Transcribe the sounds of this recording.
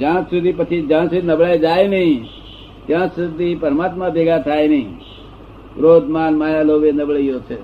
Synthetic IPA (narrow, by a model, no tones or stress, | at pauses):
d͡ʒãsud̪ʱipət͡ʃʰid͡ʒãsud̪ʱinəbɭajd͡ʒajnəɦĩ | t̪jãsud̪ʱipəɾmat̪mãbʱeɡat̪ʰajnəĩ | ʋɾod̪ʱmanmajaloʋenəbɭəijot͡ʃʰe